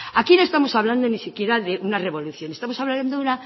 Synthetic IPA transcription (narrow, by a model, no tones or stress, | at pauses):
akino̞est̪amo̞saβland̪onisikje̞ɾaðeʔunare̞βo̞luθjo̞nest̪amosaβland̪ouna